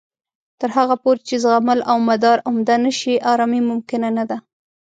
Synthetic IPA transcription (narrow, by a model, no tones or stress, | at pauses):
t̪əɾɦaɣapoɾt͡ʃezɣamalawmad̪ɑɾʊmd̪anəʃiʔɑɾɑmimʊmkɪnanad̪a